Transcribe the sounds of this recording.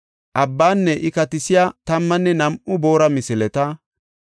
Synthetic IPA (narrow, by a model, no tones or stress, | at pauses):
ʔɐbːaːnːɛʔɪkɐt̪ɪsɪjat̪ɐmːɐnːɛnɐmʔʊbo̞ːɾɐmɪsɪlɛt̪ɐ